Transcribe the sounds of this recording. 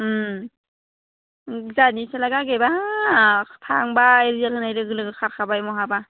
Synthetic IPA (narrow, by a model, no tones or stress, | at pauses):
zanisalaɡaɡeba | tʰaŋbaeɾijalhɯnajɾɯɡɯlɯɡɯkʰaɾkʰabajmɔɦaba